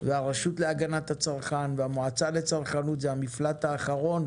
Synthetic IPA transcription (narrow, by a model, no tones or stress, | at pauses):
veaʁeʃut̪le̞aɡanat̪hat͡saʁχanveamoat͡salet͡saʁχanut̪zeamiflat̪aːχaʁo̞n